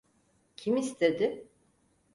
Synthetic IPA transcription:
cʰimist̪ʰed̪ɪ

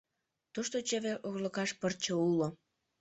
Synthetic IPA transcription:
t̪oʃt̪ot͡ɕeβeʔoɣləkɑʃpərt͡ɕoulo

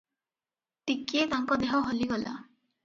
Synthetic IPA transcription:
t̪ikiet̪aŋkɔd̪eɦɔɦoliɡɔla̰

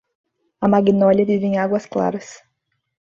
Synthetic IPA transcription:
ɐmaɡinɔʎɐvivẽj̃aɡwɐskla̰ɾɐs

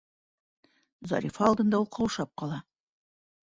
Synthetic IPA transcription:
zɑ̰ɾʲifɑːlˠd̪ɤ̆nd̪ɑulˠqɑwʃɑp̚qɒlˠɑ

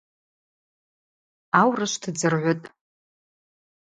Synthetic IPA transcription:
awrɨʃʷtʰd͡zɨrʕʷʊtʼ

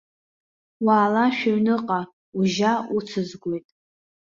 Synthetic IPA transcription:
waːlaʃᶣaɥnɨqʼa | uʒaut͡sʰɨzɡʷojtʼ

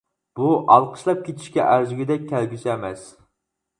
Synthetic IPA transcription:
b̥uʔɑlˠqʰə̥ʃlˠɑp̚kʲʰet̪ʰi̥ʃkʲɛ̰ʔæɾzyɡʲɪd̪ɛk̚ʲʰːælɡʲyzɛmɛs

